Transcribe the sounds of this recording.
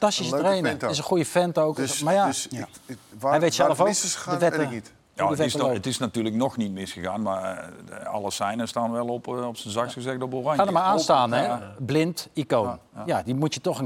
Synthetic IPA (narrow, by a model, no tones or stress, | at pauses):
ftastissətrejnəɪs̬əχujəfɛntowksmaja | ɦɛjʋejtsɛlˠəfowkdəʋɛə | naʋɛsətɪsnatyːləknɔxnit̚mɪsxəɣaːnma | ɑ̰lˠəsɛjnəstaːnʋɛlˠɔpɔpsənzaksxəzɛkdoboraɲxaːnəmaɹaːnstaːnɛblɪntikoːnjadimutjətɔxən